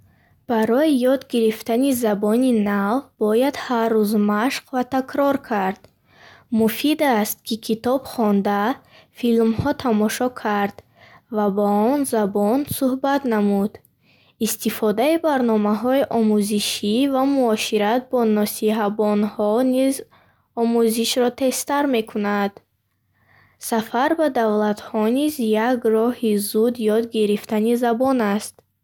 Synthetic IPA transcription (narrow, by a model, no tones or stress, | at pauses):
b̥aɾɔijɔd̪ɡiɾift̪anizabɔninavbɔjad̪harːuzmaʃqvat̪ʰakʰɾɔɾkʰaɾd̪̥ | mufid̪ast̪̚kʰikʰit̪ɔb̥χɔnd̪a | filmhɔt̪ʰamɔʃɔkʰaɾd̪̥ | vabaɔnzabɔnsuhbat̪namud̪ | ist̪ifɔd̪aibaɾnɔmaɦɔiʔɔmuziʃivamuɔʃiɾat̪̚bɔnɔsiɦabɔnhɔniz | ɔmuziʃɾɔt̪ʰe̞st̪aɾme̞kʰunad̪̥ | safaɾbad̪avlat̪hɔnizjaɡrɔhizud̪jɔd̪ɡiɾift̪anizabɔnast̪